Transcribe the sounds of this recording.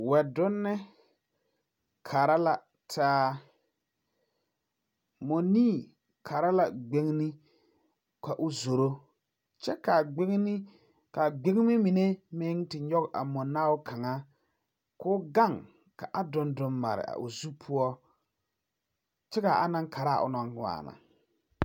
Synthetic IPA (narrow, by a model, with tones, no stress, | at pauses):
wɛ˨dʊ˦nːɪ˦ | kʰa˨ɾa˦la˨ | tʰaː˦ | mo˨niː˦˨ | kʰa˨ɾa˦la˨ɡ͡be˦ŋnɪ˦ | ka˨ʔʊ˦˨zo˨ɾo˦ | t͡ʃɛ˦ka˨ɡ͡bɪ˦ŋ˦nɪ˦ | ka˨ɡ͡be˦ŋ˦mɪ˦mi˨ne˦mɪ˦ŋtɪ˨ɲɔ˦ɣʔa˨mɔ˨naː˦wʊ˦kʰa˨ŋa˦ | kʊː˦ɡa˦˨ŋ | ka˨ʔa˦dʊ˦ndʊ˨mːa̰˨ɾɪ̰˨a̰˨ʔʊ̰˨zu˦pʰʊ˦ɔ˦ | t͡ʃɛ˦ɣa˨ʔa̰˨˦na˦ŋkʰa˨ɾa˦˨ʔʊ̰˨nɔ˨ŋ˨˦a̰ː˨na̰˨